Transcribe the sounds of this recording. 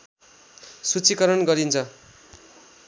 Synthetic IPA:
sut͡sikʌɾʌnɡʌɾint͡sʰʌ

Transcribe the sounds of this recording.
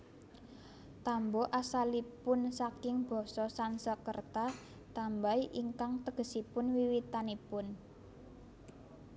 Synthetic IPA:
t̪ambɔʔasalipʊnsakɪŋb̥ɔ̤sɔsansəkərt̪a | t̪ambaiʔiŋkaŋt̪əɡ̥ə̤sipʊnwiwit̪anipʊn

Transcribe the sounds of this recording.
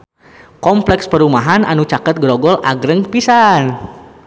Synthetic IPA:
kɔmplɛkspəɾumaɦanʔa̰nut͡ʃakət̪̚ɡɾɔɡɔlaɡɾəŋpisan

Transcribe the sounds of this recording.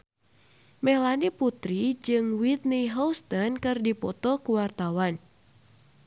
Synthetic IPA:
mɛlaniput̪ɾid͡ʒɨŋwit̪niɦɔst̪ɔnkɨrdipɔt̪ɔkuwart̪awan

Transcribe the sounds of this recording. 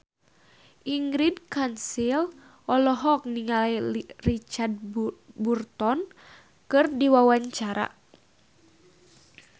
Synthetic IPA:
ʔiŋɡɾidkansil | ɔlɔɦɔk̚niŋalirit͡ʃard̚burt̪ɔn | kɨrdiwawaɲt͡ʃaɾa̰

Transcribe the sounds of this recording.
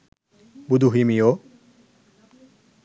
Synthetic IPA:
bud̪uɦimijo

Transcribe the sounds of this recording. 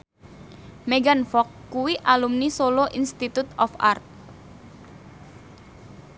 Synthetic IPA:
meɡanfɔkːuwiʔalumnisoloʔinst̪it̪ut̪ɔfa̰rt̪̚

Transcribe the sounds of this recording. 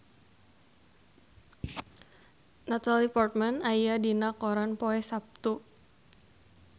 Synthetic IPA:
nat̪alipɔrt̪̚manajadinakɔɾanpɔɛsap̚t̪u

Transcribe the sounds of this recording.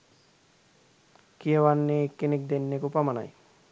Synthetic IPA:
kiewanːekːenek̚d̪enːekupamana̰j

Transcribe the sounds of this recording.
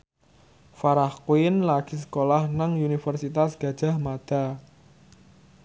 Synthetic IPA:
faɾahkwɪnlaɡ̥is̬ə̥kolahnaŋunifərsit̪asɡ̥a̤d̥ʒ̥a̤hmad̪̥a̤

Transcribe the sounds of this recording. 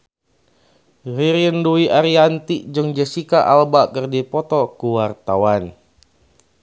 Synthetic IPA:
riɾinduiʔaɾiant̪id͡ʒəŋd͡ʒɛsikaʔalbakərdipɔt̪ɔkuwart̪awan

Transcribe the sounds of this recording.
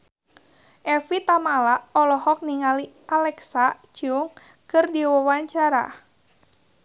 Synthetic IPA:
ʔɛfit̪amalaʔɔlɔhɔk̚niŋali | alɛksa | d͡ʒʊŋ | kɨrdiwɔwaɲt͡ʃaɾa̰

